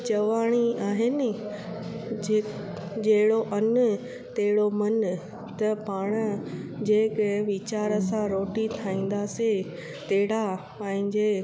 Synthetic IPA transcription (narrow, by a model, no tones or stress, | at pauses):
t͡ɕɐʋaːɽ̃iaːɦɪnɪ̆ | d͡ʑɐɦɪɽoʔɐn | t̪ɐɦɪɽomɐn | t̪ɐpaːɽ̃ə̆d͡ʑeːkʋɪt͡ɕaːɾəsãɾoːʈit̪ʰaːĩːn̆d̪ase | t̪eɦɪɽa | pɐ̃ːɦɪ̃ɲd͡ʑeː